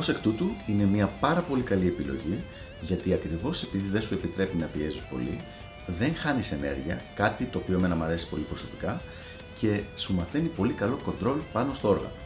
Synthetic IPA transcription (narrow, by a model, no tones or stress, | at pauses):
o̞se̞kt̪ut̪uine̞miɐpɐɾɐpo̞likɐlie̞pilo̞̰ʝi | ʝɐt̪iɐkɾivo̞se̞piðiðe̞nsue̞pit̪ɾe̞pinɐpiezispo̞̰li | ðe̞ŋxɐnise̞ne̞̰ɾʝiɐkɐt̪it̪o̞ːpioeme̞nɐmɐɾe̞si̥po̞lipɾo̞so̞pi̥kɐ | ce̞sumɐθenipo̞likɐlo̞ko̞nd̪ɾo̞lopɐno̞st̪oo̞ɾɣɐ̰no